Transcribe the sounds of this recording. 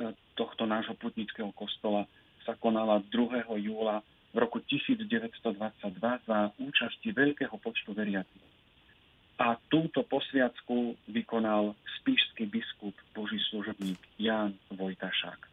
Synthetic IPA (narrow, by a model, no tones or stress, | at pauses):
t̪ɔxt̪ɔnaːʒɦɔput̪ɲit͡skɛːɦɔkɔst̪ɔla | sakɔnalad̪ɾuɦɛːɦɔjuːla | vɾɔkucisiːd͡zɟɛʋɛtst̪ɔd̪ʋat͡sːaɟ̚d̪ʋazauːt͡ʃasciʋɛʎkɛːɦɔpɔt͡ʃt̪uʋɛɾɪat͡sɛ | at̪uːt̪ɔpɔsʋɪat͡skuʋikɔnalspiːʃskibiskubbɔʒisluʒɔbɲiːɡjaːnʋɔjt̪aʃa̰k